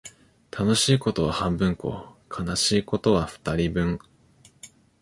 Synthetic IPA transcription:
t̪ʰano̞ɕiːko̞t̪o̞β̞ahãmbɯ̟̃ŋko̞̰ːkʰanaɕiːko̞t̪o̞βaɸɯ̟̥t̪aɾʲibɯ̟̃ŋ

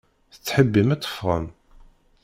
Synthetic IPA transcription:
θə̥t͡sːħəbːimæt͡s̪ːə̥fʁə̰m

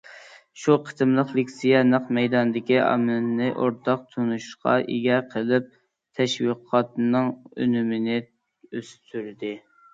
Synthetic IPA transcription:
ʃuqʰə̥t̪ɨmlˠəqlɪkʲsijɛnɨqmɛjd̪ɑnd̪ɪkʲiʔɑ̰mɨlnɨʔoɾt̪ʰɑq̚t̪ʰunuʃqʰɑ̰ʔiɡʲɛqʰəlˠɪp̚ | t̪ʰɛʃwiqʰɑt̪nɨŋø̰nymɪnɪ | øst̪ʰyɾd̪ɪ

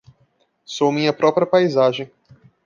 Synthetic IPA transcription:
somĩɲɐpɾɔpɾiɐpajzaʒẽj̃

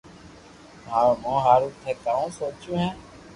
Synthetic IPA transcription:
ɦaːmõːɦaːɾuːt̪ʰɛːkaːũːsoːt͡ʃjũːɦɛ̃ː

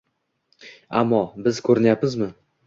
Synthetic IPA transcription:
amːɒbɪzkʰɵɾɪnjapmɪzmɪ

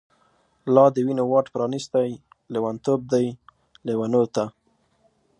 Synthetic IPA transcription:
lɑd̪əwinowɑʈpɾɑnist̪aj | lewant̪ob̚d̪aj | lewanot̪a

